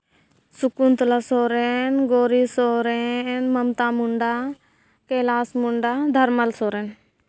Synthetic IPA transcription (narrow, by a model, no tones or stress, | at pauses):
sukunt̪lasoːɾenɡoːɾisoːɾenmɐmt̪aːmuɳɖaː | keːlaːsmuɳɖaːd̪ʱɐɾmɐlsoːɾeːn